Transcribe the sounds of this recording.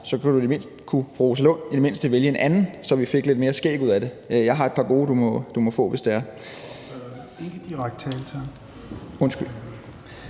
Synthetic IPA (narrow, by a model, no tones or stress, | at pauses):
sɒ̽kʰuɾ̥ud̥eme̝n̰sd̥kʰufʁoːs̬ælo̰n̰id̥eme̝n̰sd̥əʋeljəenʔænn̩sɒ̽ʋife̝ɡ̥le̝d̥me̝ːɐsɡ̥ḛːɡ̥uð̰ˠæɾ̥e̝ | jɑ̈ɪɦɑ̈e̝̥pʰɑ̈ɡ̥o̝ːd̥umɒ̽d̥umɒ̽fɔ̰̽ːʋe̝sd̥eæɐ | eɡ̥əd̥iʁaɡ̥̚d̥t͡sʰɛːlt͡sʰæ | ɔ̽nsɡ̥yl